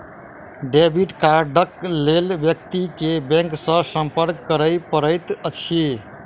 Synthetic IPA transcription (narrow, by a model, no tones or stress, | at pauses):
ɖebiʈkaɾɖəklelbjəkt̪ikebẽŋksə̃sə̃mpəɾkːəɾəjpəɾəjt̪ət͡ʃʰi